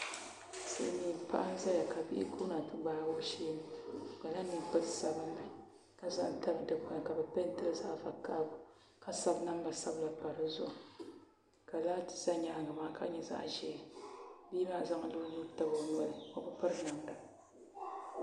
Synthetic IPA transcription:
sɨ̰˦˨ɪ˦niː˨˦˨pa̰˦ʔa˦n˦za˦ja˨ka˨bḭ˦ʔɪ˦kʰu˦na˨tɨ˦ɡ͡baː˦bo˦ʃeː˦nɨ˨ɡa˨la˦nːɨ˨pɨ˦tsa˨bɨ˦n˦ba˨ | ka˨za˦ŋ˨ta˦bdɨ˨ka˨ka˨bɛ˨pɛ˦n˦tɨ˦lza˦ʔfa˨ka˦bʊ˨ | ka˦sa˦bna˦m˦ba˨sa˦bla˨pa˨ɾɨ˦zʊ̰˦ʔ | ka˨laː˦tɨ̥˨za˦ɲa˨ŋa˨maː˨˦kʰa̰˦ɲɛ˦za̰˦ʔʒɛ˨˦biː˦maː˦˨za˦ŋ˦lɨ˦nu˦ta˦bo˨nɔ˦ɾɨ˨o˨bɨ˦pɨ˦ɾna˨mda˨

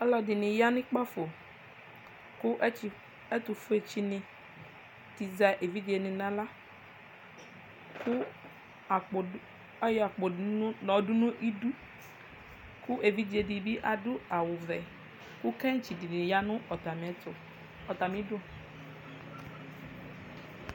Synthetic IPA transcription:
ɔ˦lɔ˨dɪ˨nɪ̃˨ja˦nʊ̃˦k͡pa˦fo˨ | kʊ˦ʔ | ɛ˦t̪ʊ˨fʊ˦e˨t͡ʃi˨nɪ̃˨ | ti˨za˨ʔe˨vi˦di˨e˨nɪ̃˨nã˦la˦ | kʊ˦˨ | a˦jɔ˨a˨k͡po˨˦ɔ˨dʊ˦nʊ̃˦ʔi˦du˦ | kʊ˦ʔe˨vi˦di˨e˨di˨bi˦ʔa˨dʊ˦a˨wʊ˨vɛ˨ | kʊ˦kɛ˦ŋ˦t͡ʃi˨di˨nɪ̃˨ja˦nʊ̃˦ɔ˨ta˨m˨˦ʊ˨ | ɔ˨t̪a˨mĩ˨˦dʊ˦

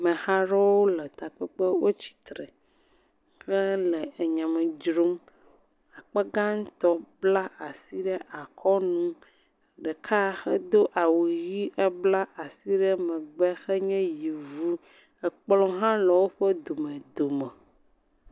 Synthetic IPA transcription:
mɛ̃˨ha˦ɾɔ˦wo˦lə˨t̪a˨k͡pɛ˦k͡pə˦wo˦t͡ɕi̥˨t̪ɾɛ˨ | xɛ˦le˨ʔe˨ɲã˨mɛ̃˨d͡ʒɾo˦m | a˨k͡pɛ˦ɡa˦ŋ̩̃˦t̪ɔ˦bla˦ʔa˨si˦ɖɛ˦ʔa˨kʰɔ˦nũ˦˨ | ɖɛ˨kʰa˦xɛ˦d̪o˦ʔa˨wo˨ji˦ʔɛ˦bla˦ʔa˨si˦ɖɛ˦mɛ̃˨ɡ͡bɛ˦xɛ˦ɲɛ̃˦ji˨vu˦ | ɛ˨k͡plɔ̃˦ɦã˦lə˨wo˦ɸɛ˦d̪o˨mɛ̃˨d̪o˨mɛ̃˨

